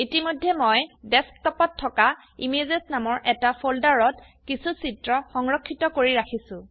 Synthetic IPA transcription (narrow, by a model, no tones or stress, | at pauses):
itimojdʱːɛmojdɛsktɔpɔtʰːɔka | imezesnamɔɹʔɛtapʰoldaɹɔt | kisusitɹɔxɔŋɹɔkʰːitɔkoɹiɹakʰisʊ̃